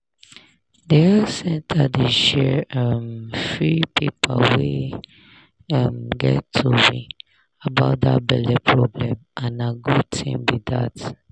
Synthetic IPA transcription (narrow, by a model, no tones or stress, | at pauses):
deasɛ̃ntʰadeʃɛamfɹipʰipʰawe | amɡɛtʰːuwi | abaʊt̚da̰bɛlɛpʰɹɔblɛ̃mʔãnaɡud̚tʰḭ̃mwiðat